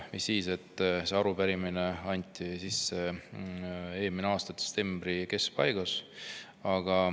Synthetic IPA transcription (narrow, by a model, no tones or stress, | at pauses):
visːiːse̞t̪ːˑseɑɾupæɾimineɑnʲt̪ːˑisisːe̞ | e̞ːmineɑːst̪ɑd̪̥e̥st̪ːe̞mb̥ɾike̞skpɑjɡ̥ɑs | ɑɡ̥ɑ